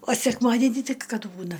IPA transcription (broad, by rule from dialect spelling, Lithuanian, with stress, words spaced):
oː sʲɛkˈmɑːdʲɛnʲiː ˈtʲɪk ˈkɐt ˈbuːnɐ